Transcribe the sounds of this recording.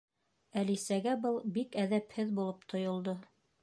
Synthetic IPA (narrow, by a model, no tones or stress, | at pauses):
ælisæɡæbɤlˠbikæðæphɘðbulˠop̚t̪ʰŏjŏlˠd̪o